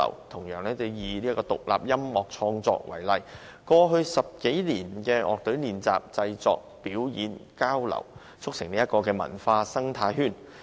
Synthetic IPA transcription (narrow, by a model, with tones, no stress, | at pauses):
ɐ̰˨˩wt̪ʰʊ˨˩ŋjœː˨ŋnɛː˥t͡so˧˩jiː˨liː˥ɐ˥kɔː˧t̪ʊ˨k̚lʔa̰ː˨p̚jɐ˥mːɔː˨˩k̚t͡ʃʰɔː˧ŋt͡sɔ̰ː˧k̚wɐ˨˩jlɐ˨j | kɔː˧ɦɵ˧ɥsɐ˨p̚ke˨˥jliː˨˩nkɛː˧ʔɔ̰ː˨k̚t̪ɵ˨˥ɥliː˨˩nt͡sa̰ː˨˩p̚t͡sɐ˧jt͡sɔ̰ː˨k̚piː˨˥wjiː˨˥nkaː˥wlɐ̰˨˩w | t͡sʰʊ˥k̚sɪ˨˩ŋliː˥ɐ˥t̚kɔː˧kɛː˧mɐ̰˨˩nfaː˧sɐ˥ŋt̪ʰaː˧jɦyː˥˩n